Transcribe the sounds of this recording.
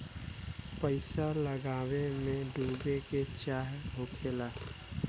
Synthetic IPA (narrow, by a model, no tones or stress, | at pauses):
pəɪsaləɡaːwemẽɖuːbeket͡ʃaːɦɦokʰeːlaː